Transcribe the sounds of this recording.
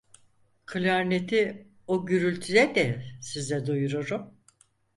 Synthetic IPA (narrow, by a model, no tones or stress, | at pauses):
kʰɯlʲaɾnet̪ʰi | oɟyɾylʲt̪ʰyj̪ɛd̪ɛsizɛd̪ujuɾuɾum